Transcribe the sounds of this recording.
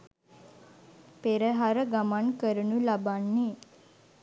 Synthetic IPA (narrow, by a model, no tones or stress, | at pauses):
peɾəɦaɾəɡamankəɾənulabanːe